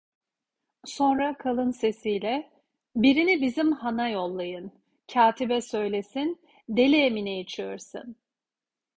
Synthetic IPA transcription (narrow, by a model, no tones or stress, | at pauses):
so̞nɾakʰalˠɯnse̞sijlʲɛ | biɾinibizimhanajo̞lˠːajɯn | cʰaːt̪ʰibɛsø̞jlʲesin | d̪e̞lʲɛːminejit͡ʃʰijoɾsɯ̰n